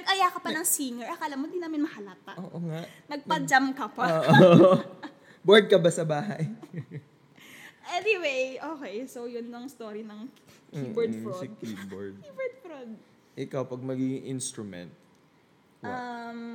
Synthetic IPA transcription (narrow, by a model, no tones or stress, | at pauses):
nɐɡʔɐjaːkɐpɐnɐŋsiŋɛɹʔɐkɐʔlamod̪ɪnaːmɪnmɐhɐlɐt̪aʔoːʔoŋaʔ | nɐɡ̚pɐd͡ʒamkɐpɐoːʔoʔ | boɹd̪̚kɐbasɐbaːɦɐj | ʔɛnɪwejʔoːkɛjsowjʊnːoŋst̪oːɾinɐŋkibɔɹfosɪkiboɹd̪̚ibɛɹd̪fɹod̪̚ | ʔɪkawpɐɡ̚mɐɡiɡɪŋʔinst̪ɾʊmɛ̰nt̪̚ | ɐm